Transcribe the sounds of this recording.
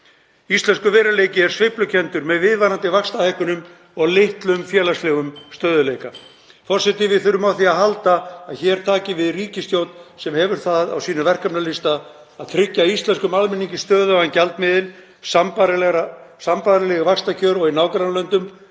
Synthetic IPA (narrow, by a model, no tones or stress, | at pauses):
ist̪lɛnskʏvɛːɾaleːjcɪɛɾ̥svɪhplʏcʰɛnt̪ʏɾmɛðvɪðvaɾant̪ɪvakst̪ahɛhkʏnʏm | ɔɣlɪht̪lʏmfjɛːlast̪lɛɣʏmst̪œːðʏlejka | fɔr̥sɛt̪ɪvɪθʏɾʏmawθiaɦalt̪aːðçɛɛɾ̥t̪ʰaːcɪvɪðriːcɪst̪jowt̪nsɛmhɛvʏɾ̥θaða̰wsiːnʏvɛr̥kapnalɪst̪aː | ðt̪ʰɾɪcːaist̪lɛnskʏmalmɪnːiŋcɪst̪œːðʏaɛncalt̪mɪðɪn | sampa | sampaðɾɪlɛɣavakst̪acʰœːɾɔɣɪnaːwkɾanlœnt̪ʏm